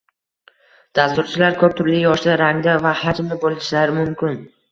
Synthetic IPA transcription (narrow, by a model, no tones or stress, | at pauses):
d̪̥ast̪ʊɾt͡ʃʰɪlaɾkʰɵp̚t̪ʰʊɾlɪjɒʃd̪aɾaŋd̪avahad͡ʒmlɪbolˠɪʃlaɾɪmʊmkʲɪn